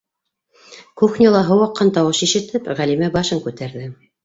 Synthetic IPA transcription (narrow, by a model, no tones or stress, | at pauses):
kuxnʲilˠɑɦɤ̆wɑqːɑnt̪ɑwɤʃiʃɘ̆t̪ɘpʁælimæbɑʃɤŋkʉt̪æɾðɘ